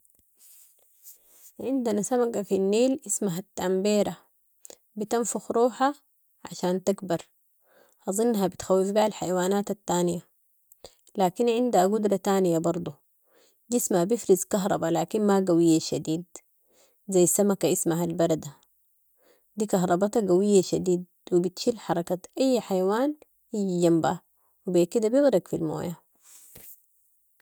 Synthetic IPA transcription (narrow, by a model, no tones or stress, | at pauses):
ʕɪnd̪anasamakafinːeːlʔismaɦat̪ːambiːɾa | bit̪anfuxɾˤuːħa | ʕa̰ʃaːnt̪aɡbɑɾˤ | hɑzˤɨnːɦabit̪xawːifbaʕalħajwaːnaːt̪at̪ːaːnija | laːkinʕɪnd̪haɡud̪ɾˤɑt̪aːnijabɑɾˤd̪ˤu | d͡ʒismahabifɾizkaɦɾˤɑ̰balaːkinmaɡawijːaʃad̪iːd̪ | zajːsamakaʔismaɦalbɑɾˤɑd̪a | d̪iːkɑɦɾˤɑbat̪ɑɡawijːaʃad̪iːd̪̚ | wibit̪ʃiːlħɑɾˤɑkaʔajːħajawaːn | hijd͡ʒamba | wibeːkid̪abjiɣɾɑɡfilmo̰ːja